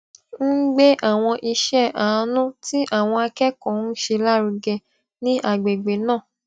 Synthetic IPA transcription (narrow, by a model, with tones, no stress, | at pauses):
n̩˦ɡ͡be˦ʔa˦˨w̃ɔ̃˧ʔi˧ʃɛ˦a˨˧˦nũ˦ti˦ʔa˦˨w̃ɔ̃˧a˧kɛ˦kɔ̃˨˦ʃe˧la˦ɾu˧ɡɛ˧ | nĩ˦ʔa˦˨ɡ͡be˨ɡ͡be˨˦nãː˦˨